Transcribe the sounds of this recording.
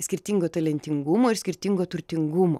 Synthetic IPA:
sʲkʲɪɾʲt̪ʲiŋɡoːt̪ɐlʲɛnʲt̪ʲɪŋɡʊmoːɪɾsʲkʲɪɾʲt̪ʲiŋɡoːt̪ʊɾʲt̪ʲɪŋɡʊmo̰ː

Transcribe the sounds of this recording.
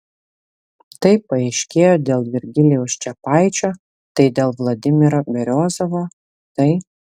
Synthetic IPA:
t̪ɐɪpɐɛɪʃʲkʲeːjoːd̪ʲeːlˠʋʲɪɾʲɡʲɪlʲɪjɛʊst͡ʃʲɛpɑɪt͡ʃʲoː | t̪ɐɪd̪ʲeːlˠʋlˠɐd̪ʲɪmʲɪɾobʲɛɾʲoːzoʋoː | t̪ɐɪ

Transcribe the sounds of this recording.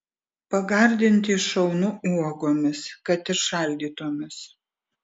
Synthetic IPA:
pɐɡɐˑɾʲd̪ʲɪnʲt̪ʲɪʃɐʊnʊuɔɡoːmʲɪskɐt̪ɪɾʃɐˑlʲd̪ʲiːt̪oɔmʲɪs

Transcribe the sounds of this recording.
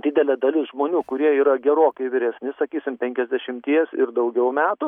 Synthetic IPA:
d̪ʲɪd̪ʲɛlʲɛd̪ɐlʲɪsʒmoːnʲuːkʊɾʲiɛiːɾɐɡʲɛɾoːkɐɪʋʲɪɾʲɛsʲnʲɪsɐkʲiːsʲɪmpʲɛŋʲkʲɛzʲd̪ʲɛʃʲɪmʲt̪ʲiɛsɪ̰rd̪ɐʊɡʲɛʊmʲæːt̪ʊ

